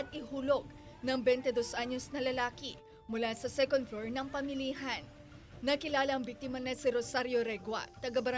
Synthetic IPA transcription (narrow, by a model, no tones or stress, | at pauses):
ɐt̪̚ʔɪhuːlo̞ɡ̚ | nɐŋbɛnt̪ɛd̪o̞sʔaɲo̞snɐlɐlaːki | mʊlasɐsɛkond̪̚floɹnɐŋpɐmɪliɦɐnː | ɐkɪlaːlɐʔɐŋbik̚t̪ɪmɐnɐsiɾosaɾjo̞ɾɛɡwɐ̰t̪ɐɡɐbɐɾɐ